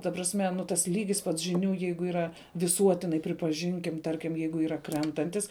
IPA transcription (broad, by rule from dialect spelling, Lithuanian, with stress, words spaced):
tɐ prɐsʲˈmʲɛ nʊ ˈtɐs ˈlʲiːɡʲɪs pɐts ʒʲɪˈnʲuː ˈjɛɪɡʊ iːˈrɐ ʋʲɪˈsuɔtʲɪnɐɪ pʲrʲɪpɐˈʒʲɪŋʲkʲɪm ˈtɐrʲkʲɪm ˈjɛɪɡʊ ˈiːrɐ ˈkrʲɛntɐnʲtʲɪs